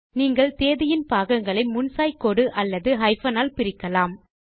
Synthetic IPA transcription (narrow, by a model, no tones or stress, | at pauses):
niːŋɡɐɭt̪eːðɪjɪnpaːɣɐŋɡɐɭɐɪmʊnsaːjkoɽɯʔɐlːɐðɯɦɐɪfɐnaːlpɪɾɪkːɐlaːm